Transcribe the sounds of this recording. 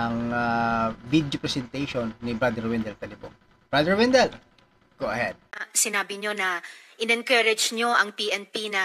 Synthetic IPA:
ɐŋavid̪jopɹɛsɛnt̪ɛjʃonːɪbɾad̪ɛɹwɛnd̪ɛlt̪ɐlɪbo | b̥ɹad̪ɛɹwɛnd̪ɛl | ɡ̥owɐhɛ̰d̪̥̚sɪnaːbɪɲo̞nɐʔɪnɛnkɐɾɛd͡ʒɲo̞ʔɐŋpiʔɛnpinɐ

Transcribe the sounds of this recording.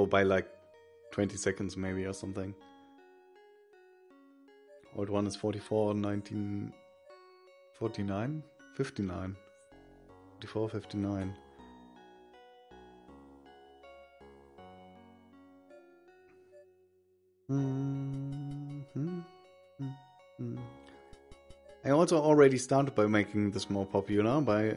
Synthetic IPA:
oʊbaɪlaɪk̚ | tʰw̥ɛ̃ntisɛkn̩dzmeɪbiəsʌ̃mθɪ̃ŋ | ʔɔ̰d̚wʌ̃nɨz̥fɔɹɾifɔɹnãɪ̃ntʰĩn | fɔɹtinãɪ̃n | fɪftinãɪ̃n | fɔtifɔɹfɪftinãɪ̃n | m̥m̩ | ãɪɔlˠsoʊl̩ˠɹɛɾistɑɹɾɨd̚baɪmeɪkɪ̃ŋðɪsmɔlˠpʰɑpʰjl̩ˠənaʊbaɪ

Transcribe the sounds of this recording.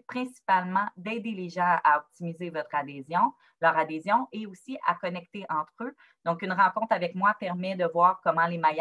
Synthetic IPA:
pχɛ̃si̥palmɑ̃d̪ɛːd̪eleʒɑ̃aɔp̚t̪imizevɔt̪χad̪eːzjɔ̃ | lœːʁad̪ezjɔ̃ʔeosiʔa̰kɔnɛkt̪eʔɑ̃t̪χø | d̪̥ɔ̃kynʁɑ̃kɔ̃t̪χavɛkmwapɛʁmɛd̪əvwaːʁkɔmɑ̃lemaj

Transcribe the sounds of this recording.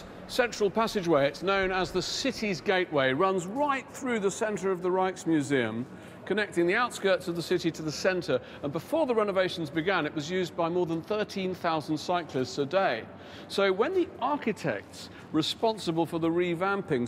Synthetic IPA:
sɛ̃nt͡ʃɹ̥əlˠpʰæsɨd͡ʒweɪɨtsnõʊ̃nəzðəsɪɾizɡeɪʔweɪɹʌ̃nzɹaɪt̪̚θɹʉðəsɛ̃ntə˞ʌvðəɹaɪtsmjʉziɨ̰̃m | kʰɨnɛk̚tɪ̃ŋðiaʊtskɜ˞tsʌvðəsɪɾiɾʰɨðəsɛ̃ntʰə˞ | ə̃nbəfɔɹðəɹɛnəveɪʃn̩zbɨɡæ̃nɨʔwʌzjʉzbaɪmɔɹðə̃nθɜ˞tʰĩnθaʊzn̩d̥saɪkʰlɪstsədeɪ | soʊwə̃nðiʔɑɹkɨtʰɛ̰k̚ts | ɹɨspɑ̃nsəbəlˠfə˞ðəɹivæ̃mpɪ̃ŋ

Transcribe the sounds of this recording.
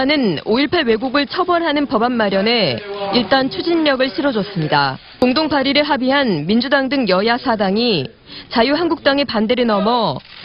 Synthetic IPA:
nɯnoiɭpʰawe̞ɡuɡɯɭt͡ɕʰʌbʌɾɦanɯnpʌbanːaɾjʌne̞iɭt͈ant͡ɕʰud͡ʑinːʌɡɯɭɕʰiɾʌd͡ʑʌs͈ɯmɲida | koŋdoŋpaɾiɾɯɭɦabiɦanmind͡ʑudaŋdɯŋjʌjasʰadaŋi | t͡ɕajuɦanɡuk̚t͈aŋepande̞ɾenʌmʌ

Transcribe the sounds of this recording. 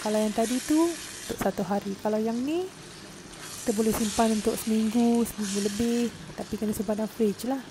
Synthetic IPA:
kalawjaŋt̪adit̪uunt̪ʊʔsat̪uɦaɾikalawjaŋni | ki̥t̪əbolɛhsimpanunt̪ʊʔsəmiŋɡusəmiŋɡuləbɪh | t̪apikənasubadaŋfɾit͡ʃlah

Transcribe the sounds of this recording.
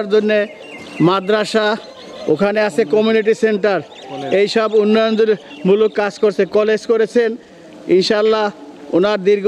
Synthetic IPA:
ɾd͡ʑonːe | mad̪ɾaʃa | o̰kʰaneat͡ɕʰekɔmjuniʈ̬iseɳʈaɾ | ejʃɔbunːɔjond̪eɾ | mulokːad͡ʑkoɾt͡ɕʰekɔled͡ʑkoɾet͡ɕʰen | inʃaalːa | onaɾd̪iɾɡ

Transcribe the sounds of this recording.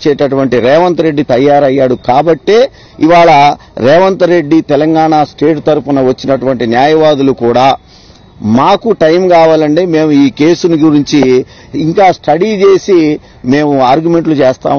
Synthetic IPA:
t͡ʃɛːʈɐʈuʋɐɳʈiɾɛːʋɐnt̪ɐɾe̞ɖːit̪ɐjːaːɾɐjːaːɽukaːbɐʈːe̞ː | iʋaːɭɐ | ɾɛːʋɐnt̪ɐɾe̞ɖːit̪ɛlɐŋɡaːɳaːsʈe̞ːʈt̪ɐɾupunɐʋɐt͡ʃːinɐʈuʋɐɳʈinjaːjɐʋaːd̪ulukuːɽaː | maːkuʈɐjmkaːʋaːlɐɳʈe̞ːme̞ːmuiːke̞ːsuniɡuɾiɲt͡ʃiː | ŋkaːsʈɐɽit͡ʃe̞ːsi | me̞ːmuaːɾɡume̞ɳʈlut͡ʃeːst̪a̰ː

